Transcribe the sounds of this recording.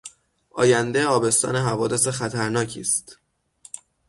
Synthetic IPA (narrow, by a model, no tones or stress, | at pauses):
ʔɒːjænd̪eɒːbe̞st̪ɒ̰ːne̞ɦævɒːd̪e̞se̞xæt̪ʰæɾnɒːcʰḭːst̪